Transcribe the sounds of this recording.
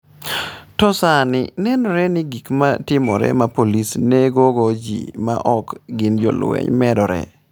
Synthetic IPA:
tɔsanɪnɛnɔɾɛnɪɡikmatɪmɔɾɛ̰mapolisneɡoɡod͡ʒḭma̰ʔɔkɡɪnd͡ʒo̰lwḛɲmɛdɔɾɛ̰

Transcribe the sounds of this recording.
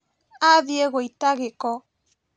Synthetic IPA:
aðjeɣoitaɣekɔ

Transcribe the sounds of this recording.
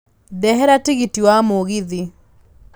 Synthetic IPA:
dɛɦɛɾatiɣitiwamoɣiði

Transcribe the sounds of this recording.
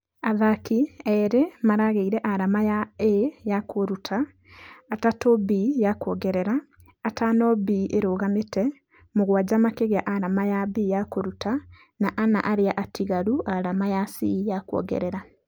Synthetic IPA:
aðakiɛɾemaɾaɣeiɾɛʔaɾamajaejakoɾutʰaː | tatobijakwɔɡɛɾɛɾaː | tanɔbiʔeɾoɣametɛ | moɣwad͡ʑamakeɣjaʔaɾamajabijakoɾuta | naʔana̰ʔaɾeaʔatʰiɣaɾuʔaɾamajasijakwɔ̰ɡɛ̰ɾɛɾa

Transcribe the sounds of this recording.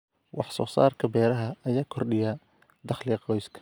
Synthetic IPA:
wɑħsɔ̰ːsa̰ːrkʰɐbɛːɾɐɦɐːjaːkʰɔrɗɪja | d̪ɑχliqɔjskʰɐ̥

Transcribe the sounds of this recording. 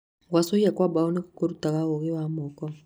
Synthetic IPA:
ɡwasoiakwabaɔnikukoɾutaɣaɣoɣewamɔkɔ

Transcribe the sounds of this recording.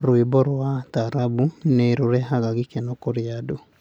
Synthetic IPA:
ɾwibɔɾwataɾabuneɾuɾɛɦaɣaɣikɛnokoɾiado

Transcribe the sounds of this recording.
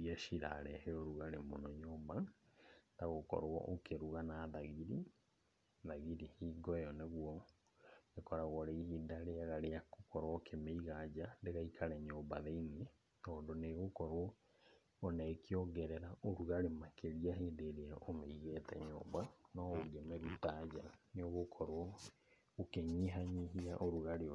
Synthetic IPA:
iaʃiɾa̰ɾɛheoɾuɣaɾemonɔɲoːba | taɣokɔ̰ɾɔ̰ʔokeɾuɣanaðaɣiɾi | ðaɣiɾihiːɡɔjɔneɣwɔ | ɡekɔɾaɣɔɾeihidaɾeaɣaɾeakokɔɾwɔkʰemeiɣad͡ʑandeɣaikʰaɾɛɲoːmbaðeine | tɔːndoneɣokɔɾwɔ | onɛkiɔɡɛɾɛɾaʔoɾuɣaɾemakeɾiaɦeːndeɾeaomeiɣɛtɛɲo̰ːbanɔoɡɛmeɾutad͡ʑaneoɣokʰɔɾwɔ | okeɲiɦaɲiɦiaʔoɾuɣaɾe

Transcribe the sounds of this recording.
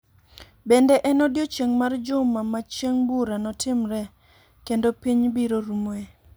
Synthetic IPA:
bendɛʔɛnɔdjot͡ʃeŋmard͡ʒʊmamat͡ʃeŋbuɾanɔtʰɪmɾɛ | kendopiɲbiɾoɾumoe

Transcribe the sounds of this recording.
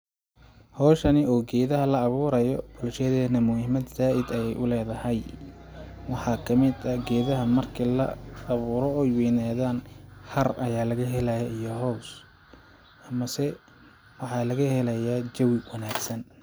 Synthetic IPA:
hɔːʃɐnɪɔːɡɛːðɐɦɐlɐːβuːɾɐjɔb̥ʊlʃɐðɛːnɐmʊhɪmɐd̪saːʔɪd̪ɐjɛjʔʊlɛːðɐhɐj | wɑħɑːkʰɐmɪd̪ɐɡɛːðɐɦɐmɐrkʰilɐ̰ːβuːɾɔɔjwɛːnaːðaːnhɐrɐjaːlɐɣɐɦɛlɐjɐijɔɦɔws | ʔɐmɐsɛ | wɑħɑːlɐɣɐhɛlɐjaːd͡ʒɐwɪwɐnaːɡsɐn

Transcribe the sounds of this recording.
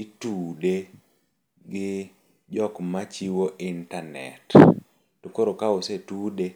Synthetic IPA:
itude | ɡɪ | d͡ʒɔkmat͡ʃiwoʔintanɛ̰t | tukoɾokaosetude

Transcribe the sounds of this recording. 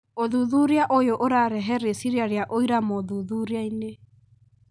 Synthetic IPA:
oðuðuɾeaʔojoʔoɾaːɾɛɦɛɾesiɾiaɾeaʔoiɾamoðuðuɾeaine

